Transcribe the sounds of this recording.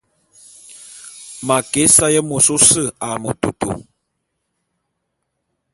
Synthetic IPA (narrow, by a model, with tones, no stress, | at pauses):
ma˨kɛ˦sa˦jə˦mo˨so˦sə˦˨a˨mo̰˨tu˨to̰˨